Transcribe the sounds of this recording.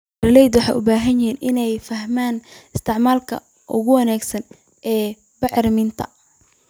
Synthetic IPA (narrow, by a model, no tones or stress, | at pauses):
rɪlɛjd̪wɑħɑ̰ːjʔʊbaːɦɐnjɪɦiːnʔɪnɛjfɐɦmaːnɪst̪ʰɪʕmaːlkʰɐ̰ | ʔʊ̰ɣʊwɐnaːɡsɐn | ʔɛː | bɪʕɾmɪnt̪ʰɐ̰